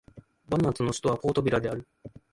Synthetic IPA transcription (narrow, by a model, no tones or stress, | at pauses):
banat͡sɨnoɕi̥t̪o̞βapo̞ːt̪o̞bʲiɾad̪e̞aɾɯ̟